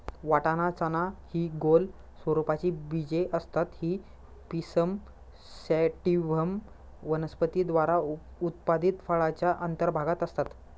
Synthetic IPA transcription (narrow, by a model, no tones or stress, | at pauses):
ʋaʈanat͡sanahiːɡol | sʋəɾupat͡ɕiːbid͡ʑeʔəst̪at̪hiː | pisəm | sɛʈiʋəm | ʋənəspət̪id̪ʋaɾaut̪̚pad̪it̪fəɭat͡ɕjaʔənt̪əɾbʱaɡat̪əst̪at̪